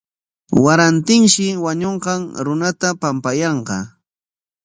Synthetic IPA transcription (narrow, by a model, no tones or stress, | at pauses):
waɾant̪ɪŋʃɪwaɲoɴqɑŋɾʊnat̪apampajɑɴqɑ̰